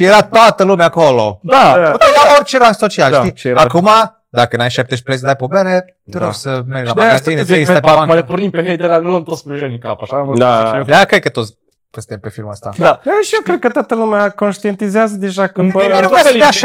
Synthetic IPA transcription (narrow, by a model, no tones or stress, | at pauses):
ʃijeɾat̪at̪əlumeakolod̪aaot̪eaoɾʲt͡ʃelãnssot͡ʃialʃiɾakuma | d̪akənajʃep̚t̪eʃ̚ʲples̬d̪ajpobeɾe | t̪eɾɾobsəmeɾd͡ʒlamaɡat̪ineseesajamalepoɾnimpenejt̪eɾanuamt̪ot̪speʒenikapaʃad̪ad̪aakɾed̪kət̪ot̪sʲ | kəst̪empefiɾma̰st̪a̰d̪aeʃewkɾed̪̚kət̪wat̪əlumeakõʃt̪ient̪izjazəd̪eʒakɨppasaʃ